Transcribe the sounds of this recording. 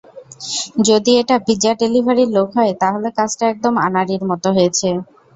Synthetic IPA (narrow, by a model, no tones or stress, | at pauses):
d͡ʑod̪ieʈabid͡ʑaʈelibʱaɾiɾlokʰɦɔet̪aɦolekat͡ɕʈaɛk̚d̪oma̰naɾiɾmɔt̪oɦoet͡ɕʰe